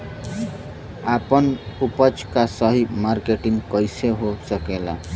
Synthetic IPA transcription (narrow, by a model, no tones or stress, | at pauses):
apʌnupʌt͡ʃʰkasʌɦimarkeʈiŋkʌjseɦosʌkela̰